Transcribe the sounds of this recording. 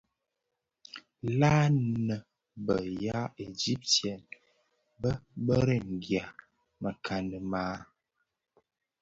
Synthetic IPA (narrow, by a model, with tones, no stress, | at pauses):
laː˦nə˨ | bə˨ja˦e˨d͡ʒi˦p̚tjɛ˨n | bə˦bə˦ɾə˦ŋ˨ɡja˨ | mə˨kʰa˨nə˨maː˦